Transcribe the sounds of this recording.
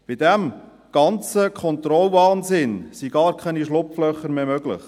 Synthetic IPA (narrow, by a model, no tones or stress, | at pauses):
b̥ɪd̥̪æm | ɡ̥ɑnt͡səkʰɔnt̪ɾɔlvɑːnzɪnsiɡɑːɾkʰɛniʃlʊpflœχːəɾmeːmøɡlə̰χ